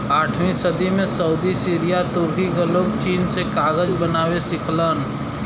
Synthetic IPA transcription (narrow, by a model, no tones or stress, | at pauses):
aːʈʰmĩsəd̪imẽsəʊd̪isiːɾijat̪ʊɾkikeloːkt͡ʃiːnsekaːɡəd͡ʒbənaːwesɪkʰlən